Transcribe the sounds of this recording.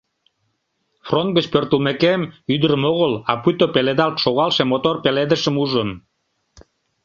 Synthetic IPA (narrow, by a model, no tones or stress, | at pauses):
front̪̚ɡət͡ɕpørt̪əlmekemyd̪əɾəmoɣəlɑput̪opeled̪ɑlt̪ʃoɣɑlʃemot̪orpeled̪əʃəmuʒən